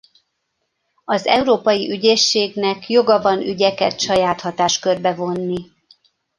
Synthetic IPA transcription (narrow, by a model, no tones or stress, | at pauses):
ɒzɛuɾoːpɒjiʔyɟeːʃːeːɡnɛkjo̞ɡɒvɒnyɟɛkɛt̪ʃɒjaːt̪hɒt̪aːʃkørbɛvo̞nːi